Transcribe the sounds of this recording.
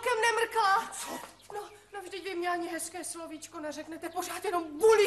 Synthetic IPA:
kɛmnɛmr̩kla | no | novʒdɪcvɪmɲɛaɲɪɦɛskɛːslovit͡ʃkonɛrɛknɛt̪ɛpor̝aːt̪jɛno̞mbuli

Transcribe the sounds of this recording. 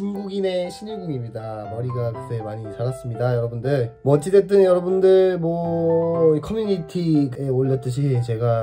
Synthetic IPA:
t͡ɕunɡuɡine̞ɕʰiɲiɡuŋimɲidamʌɾiɡakɯtʰemaɲit͡ɕaɾas͈ɯmɲidajʌɾʌbundɯɭmʌt͡ɕ͈idet͈ɯnjʌɾʌbundɯɭmwʌ | kʰʌmjuɲitʰieoʎːʌt͈ɯɕʰit͡ɕe̞ɡa

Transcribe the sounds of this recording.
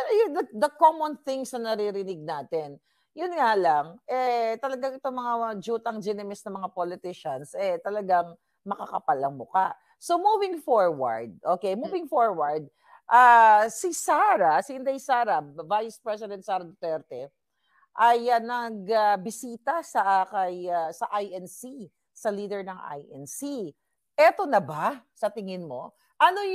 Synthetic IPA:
pɛɾojʊd̪ɐd̪ɐkomonθɪŋsnɐnɐɾiɾɪnɪɡ̚naːt̪ɛn | jʊnŋalaŋʔɛt̪ɐlɐɡaŋɪt̪omɐŋad͡ʒuːt̪ɐŋd͡ʒɛnɛmɪsnɐmɐŋapolɪt̪ɪʃɐnsʔɛt̪ɐlɐɡaŋ | mɐkakɐpalɐŋmʊkaʔ | so̞muːvɪŋfoɹwɐ̰ɹd̪̚ʔo̞ːkejmuvɪŋfoɹwɐɹd̪̚ | ʔasisaːɾasɪɪnd̪ɐjsaːɾɐvajspɹɛsɪd̪ɛnt̪̚saːɾɐd̪ot̪ɛɾt̪ɛ | ʔɐjɐnɐɡɐbɪsiːt̪ɐsɐʔakɐjasɐʔajʔɛnsi | sɐliːd̪ɛɹnɐŋʔa̰jʔɛnsi | ʔɛt̪o̞nɐbasɐt̪ɪŋɪnmo̞ | ʔɐno

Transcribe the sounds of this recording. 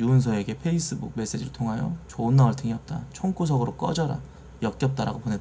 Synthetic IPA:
juɯns̬ʰʌe̞ɡe̞pʰe̞is͈ɯbuk̚me̞s͈e̞d͡ʑiɾɯɭtʰoŋɦajo̰t͡ɕonːawʌɭtʰeŋiʌp̚t͈at͡ɕʰoŋk͈ʰus̬ʰʌɡɯɾok͈ʌd͡ʑʌɾa̰ | jʌk̚k͈jʌp̚t͈aɾa̰ɡoponet

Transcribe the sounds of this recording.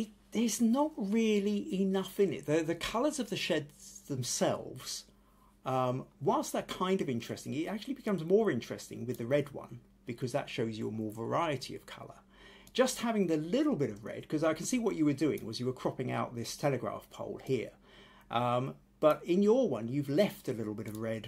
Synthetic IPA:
ɪ | ðə˞znəʔ̚ɹɪlˠiɪnʌfɨ̃nɪ̰t̪̚ðɨðɨkʰʌlˠə˞zʌvðɨʃɛd̪zðə̃msɛ̰lˠvz̥ | ʌ̃mwaɪlˠsðət̚kʰãɪ̃ndʌvɪ̃nt͡ʃɹ̥ɛstɪ̃ŋɪɾæk̚t͡ʃʉl̩ˠibɨkʰʌ̃mzmɔɹɪ̃nt͡ʃɹ̥ɛ̰stɪ̰̃ŋwɨðɨɹɛd̚wʌ̰̃n | b̥ɨkʰʌzðə̰tʃoʊzjə̰əmɔɹvə˞aɪɨɾḭʌ̰v̥kʰʌ̰lˠə̰˞ | d̥ʒ̥ʌst̚hævɪ̃ŋðɨlɪɾl̩ˠbɪɾʌvɹɛ̰d̥̚kʰʌzaɪkʰn̩siwʌt͡ʃɨwə˞dʉɪ̰̃ŋwʌzjɨwə˞kʰɹ̥ɑpɪ̃ŋa̰ʊt̪̚ðɪstʰɛlˠɨɡɹæ̰fpʰo̰ʊlˠhiɹ | ʔʌ̃m | b̥ʌɾɪ̃njə˞wʌ̃njʉvlɛftɨlɪɾl̩ˠbɪɾʌvɹɛd̥̚

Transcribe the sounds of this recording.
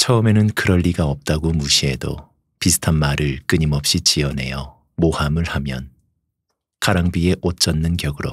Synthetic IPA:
t͡ɕʰʌɯme̞nɯnkɯɾʌʎːiɡaʌp̚t͈aɡomuɕʰie̞do̰ | pisʰɯ̥tʰanmaɾɯɭk͈ɯɲimʌp̚ɕ͈it͡ɕiʌne̞̰jʌ | mohamɯɭhamjʌn | kaɾaŋbie̞ʔot͡ɕ͈ʌnːɯnkjʌɡɯɾo̰

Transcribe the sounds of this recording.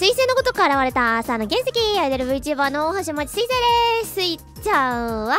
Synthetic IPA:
sɨiseːnoko̞t̪o̞kaaɾaβaɾe̞t̪asaːno̞ɡẽse̞kʲiad̪eɾɯβɯ̟it͡ɕiβanooɦãɕ̬iomat͡ɕi̥sɨiseɾesɨi | t͡ɕaɯ̟βa

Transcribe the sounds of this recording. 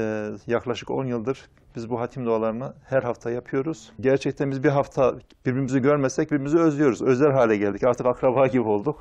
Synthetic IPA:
jaklˠaʃɯko̞̰njɯlˠd̪ɯɾ | b̥izbuɦat̪ʰimd̪oalˠaɾɯnahæɾɦaft̪ʰajapʰɯjo̞ɾuz̥ɟæɾt͡ʃʰɛc̚t̪ʰænbizbiɾɦaft̪ʰa | b̥iɾbiɾimyziɟøɾmɛsɛc̚biɾimyzyø̞zlʲijo̞ɾuzø̞zɛlʲɦaːlʲɛɟɛlʲd̪icaɾt̪ʰɯkakɾabaːɟibio̞lˠd̪uk

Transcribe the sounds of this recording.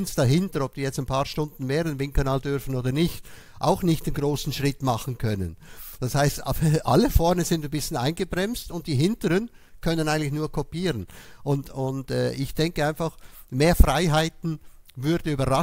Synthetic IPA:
nsd̥ɑɦɪntəɾɔb̚d̥iːjɛt͡staɪnpʰɑːʁʃtʊndn̩meːdɛnvɪŋkənaːldʏɾfn̩oːdɐnɪçt | ʔa̰ʊxnɪçtdenɡʁoːsn̩ʃʁɪtmɑχn̩kʰœnə̰nd̥ɑshaɪstːʔa̰ləfɔɐnəzɪndnbɪsənaɪnɡəbʁɛmstʊnt̚d̥iːɦɪntəɾən | kʰœnənaɪɡəŋ̩ntlɪçnuːɐkʰɔpiːʁənʔʊntʊndɛːɪçd̥ɛŋkəaɪnfaχmeːɐfʁaɪɦaɪtn̩vʏɐdn̩yːbɐʁa

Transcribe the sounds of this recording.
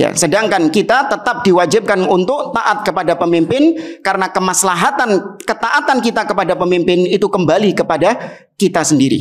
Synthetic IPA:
ja̰sədaŋkankit̪at̪ət̪ap̚diwad͡ʒɪp̚kanunt̪ʊk̚t̪aʔat̪̚kəpadapəmimpɪnkaɾənakəmaslaɦat̪ankət̪aʔat̪ankit̪akəpadapəmimpɪnit̪ukəmbalikəpada | kit̪asəndiɾḭ

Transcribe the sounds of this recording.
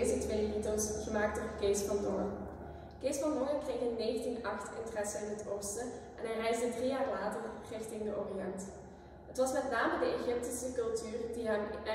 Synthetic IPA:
zətʋejlitəlˠsχəmaːk̚tɔkeːskɑndɔ̰ŋə | keskɑndɔŋəkreɣəneːxəntinɑxtʰɪ̰ntrɛsəɪnɦətʰoːstəʔɛnɦɛjrɛjzdədrijaːrlaːtərrɪxtɪŋdəʔoːriɑnt | ɦətʋɑsmɛtnaːmədəeχɪp̚tisəkɵlˠtyːrdiɦɛm

